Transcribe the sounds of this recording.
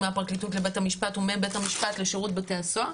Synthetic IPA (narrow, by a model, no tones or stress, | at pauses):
meapʁaklitutlebethamiʃpatumebethamiʃpatleʃeʁutbeteasoa